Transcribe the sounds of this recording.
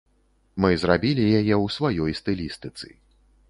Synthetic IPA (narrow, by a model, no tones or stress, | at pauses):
mɨzɾabʲilʲijajɛwsvajɔjst̪ɨlʲist̪ɨt̪sɨ̰